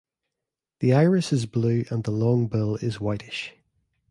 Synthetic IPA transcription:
ðiaɪɹɪsɪzblʉːʔə̃nðəlɒ̃ŋbɪlɪzwaɪtɪʃ

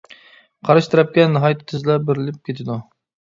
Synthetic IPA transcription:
qʰɑɾɨʃt̪ɨɾɛp̚kʲɛnɨɦɑjt̪ʰːt̪ʰɪzlɛbɪɾɪlɪp̚kʲʰet̪ʰɪd̪u

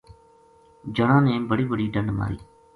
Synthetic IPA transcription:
d͡ʒəɽ̃ãːnẽːbəɽiːbəɽiːɖəɳɖma̰ːɾḭː

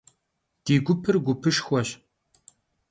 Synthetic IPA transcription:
d̥iːɡʷʊpʰɨrɡʷʊpʰɨʂxʷɔɕ

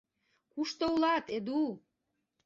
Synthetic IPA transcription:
kuʃt̪oulɑt̪ed̪u

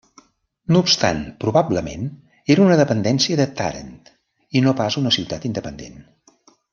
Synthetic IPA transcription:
nuːpst̪a̰npɾuβabləmḛn | eɾunəðəpənd̪ɛnsiəðət̪a̰ɾə̰nt̪ | inopazunəsiwt̪at̪ind̪əpənd̪ḛn

